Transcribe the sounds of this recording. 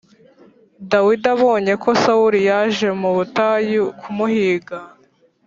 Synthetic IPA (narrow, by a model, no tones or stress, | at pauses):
dawidaβo̞ːɲe̞ko̞sauɾijaʒe̞muβutajukʰumuhiːɡa